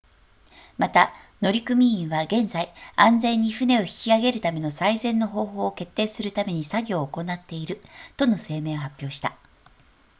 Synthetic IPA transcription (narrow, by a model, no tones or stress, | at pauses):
mat̪a | no̞ɾʲikɯ̟mʲiĩɰ̃βaɡẽ̞nd͡zaiãnzẽ̞ɲ̟ːiɸɯ̟ne̞o̞çi̥kʲiaɡe̞ɾɯ̟t̪ame̞no̞saizẽ̞nːo̞ɦo̞ːɦo̞ːke̞t̪ːe̞ːsɨɾɯ̟t̪ame̞ɲ̟isaɡʲo̞ːko̞nat̪ːe̞iɾɯ̟t̪o̞no̞se̞ːme̞ːoɦapʲːjo̞ːɕi̥t̪a